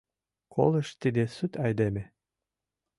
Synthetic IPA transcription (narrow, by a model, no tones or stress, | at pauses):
kʰo̰ləʃt̪id̪esyt̪ɑjd̪eme